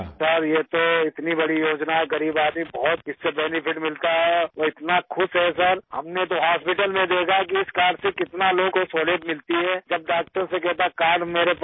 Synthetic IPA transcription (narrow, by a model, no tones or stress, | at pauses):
sɐɾjet̪oɪt̪nibɐɽijoːd͡ʒnaɦɛɡɐɾiːbaːd̪ĩbɔːt̪̚ɪsːebɛːnɪpʰɪʈmɪlt̪aɦɛɔɪt̪naxʰʊʃɦɛs̬ɐɾhɐ̰mnet̪̬oɦaːspɪʈəlmẽd̪eːkʰak̬iɪskaːɖsekɪt̪naloːɡkosoːleːʈmɪlt̪iɦɛːd͡ʒɐb̚ɖaːk̚ʈəɾsekɛɦt̪akaːɾmeːɾep